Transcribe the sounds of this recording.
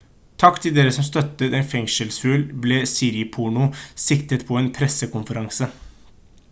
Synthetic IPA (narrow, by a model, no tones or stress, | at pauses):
t̪ʰɑkt̪ʰɪld̪eːɾəsɔmst̪œt̪ːət̪ɛːnfɛŋʂəlsfʉːlbleːsiːɾɪpʰuɳʊsɪkt̪ət̪pʰɔeːnpʰɾɛsəkʊmfəɾɑŋsə